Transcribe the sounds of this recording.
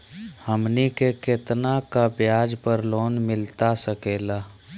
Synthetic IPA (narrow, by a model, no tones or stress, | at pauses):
həmnikekɪt̪nakapjaːd͡ʒpəɾloːnmɪlt̪asəkeːlaː